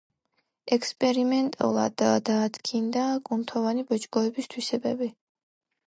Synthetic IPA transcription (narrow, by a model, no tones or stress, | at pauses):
ɛkʰspʼɛɾimɛnt̪ʼṵlˠa̰d̪ad̪aːd̪ɡʰind̪akʼunt̪ʰɔvanibɔt͡ʃʼɡɔɛbist̪ʰwisɛbɛbi